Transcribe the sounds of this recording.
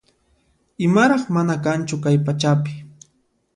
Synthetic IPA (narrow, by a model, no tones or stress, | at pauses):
ɪmaɾɑχmanakant͡ʃʊkajpat͡ʃapɪ̥